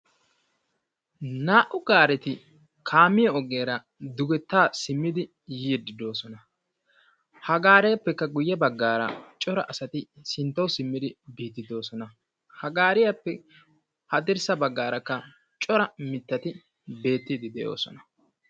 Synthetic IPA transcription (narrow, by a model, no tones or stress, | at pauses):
naːʔʊɡaːɾɛt̪ɪ | kʰaːmːɪjɐɔɡeːɾɐ | d̪ʊɡɛt̪ːaːsɪmːɪd̪ɪ | jiːd̪ɪd̪o̞ːsɔnɐ | hɐɡaːɾɛjɐpːɛkːɐɡʊjːɛbɐɡːaːɾɐ̰t͡ʃʼɔɾɐ̰ʔɐsɐt̪ɪsɪnt̪ːɐwsɪmːɪd̪ɪbiːt̪ːɪd̪o̞ːsɔnɐ | hɐɡaːɾɪjɐpːɛ | hɐd̪ɪɾsɐbɐɡːaːɾɐkːɐ | t͡ʃʼɔɾɐmɪt̪ːɐt̪ɪ | be̞ːt̪ːiːd̪ɪd̪ɛjo̰ːsɔ̰nɐ